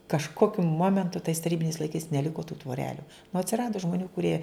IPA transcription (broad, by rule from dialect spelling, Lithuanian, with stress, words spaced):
kɐʃˈkoːkʲʊ ˈmoːmʲɛntʊ tɐɪs tɐˈrʲiːbʲɪnʲɛɪs lˠɐɪˈkɐɪs nʲɛˈlʲɪkoː tuː tʋoːˈrʲæːlʲʊ nʊ ɐtʲsʲɪˈrɑːdoː ʒmoːˈnʲuː kʊˈrʲiɛ